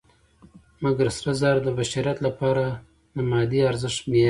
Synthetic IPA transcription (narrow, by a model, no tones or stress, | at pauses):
maɡɾsɾazɑɾd̪əbaʃiɾat̪lapɑɾa | d̪əmɑd̪iaɾzəʂt̪me